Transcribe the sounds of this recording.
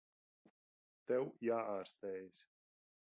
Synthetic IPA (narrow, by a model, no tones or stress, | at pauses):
t̪ɛwjaːʔaːɾst̪ɛːjs